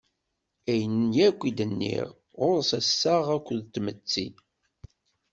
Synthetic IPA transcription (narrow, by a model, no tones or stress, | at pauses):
æjənnjækʷːid̪ənːḭʁ | ʁʊɾsæsːaʁækʷːəðt̪ːmət͡sːḭ